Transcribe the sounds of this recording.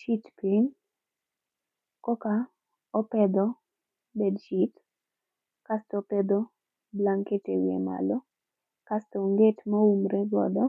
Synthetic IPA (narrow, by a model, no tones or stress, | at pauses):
ʃitpin | kɔka | ɔpɛd̪ɔ | bedʃit | kastɔped̪ɔ | blaŋketewḛma̰lɔ | kastoŋɡetmɔumɾeɡɔ̰dɔ